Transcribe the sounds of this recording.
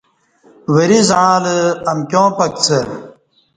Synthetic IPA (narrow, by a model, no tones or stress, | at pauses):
wɐɾizãːləɐmkʲjõːpɐk̚t͡sʰɐɾ